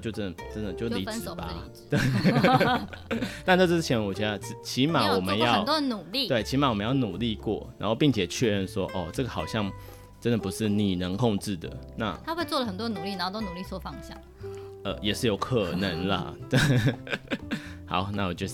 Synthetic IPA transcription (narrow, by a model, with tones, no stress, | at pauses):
t͡ɕjo˥˧ʊʈ͡ʂə˦˥nd̪ə˨˩ʈ͡ʂə˦nd̪ə˨˩t͡ɕjo˥˩ʊli˨˥˧ɹ̩˨˩˨pa˨˦ | t̪e˥˩ | t̪a˥˧nʈ͡ʂʈ͡ʂɻ̩˥t͡ɕʰjɛ˧˥nu˨˩t͡ɕa˥˧ʈ͡ʂɻ̩˧˨˩t͡ɕʰi˧˦ma˧˨wɔ˨˩mə˧˦njɑ˥˨ʊt̪ɔ˥˨nu˨˩li˥˨t̪we˥˩ɪt͡ɕʰi˧˥ma˨˩wɔ˨mə˦jɑ˥˩ʊnu˨˩li˥˧kwɔ̰˥˩na˧˥nxo˥˧ʊpi˥˩ŋt͡ɕʰjɛ˨˩t͡ɕʰɥɛ˥˧ɻə˥˩nʂwɔ˥ʔɔ˥˨ʈ͡ʂɤ˥˩ɡə˩xɑ˨˩ʊɕjɑ˥˩ŋ | ʈ͡ʂə˥nd̪ə˨pu˧˦˥ʂɻ̩˥˩ni˨˩nə˧˥ŋkʰɔ˥˧ŋʈ͡ʂɻ̩˥˩d̪ə̰˩na̰˥˨a˥xwe˥˧ɪt͡swɔ˥˩lə˩xə˨˩nt̪wɔ˥nu˨˩li˥˩na˨˦˥t̪o˥nu˨˩li˥˧t͡swɔ˥˧fɑ˥˧ŋɕjɑ̰˥˩ŋ | ə˧jɛ˨˩ʂɻ̩˥˩jo˨˧˥ʊkʰə˨˩nə˨˦ŋlɐ̰˧ta˥˧ | hɑ̰˨˦ʊna˥˩wɔ˨˩t͡ɕjo˥˧ʊ˥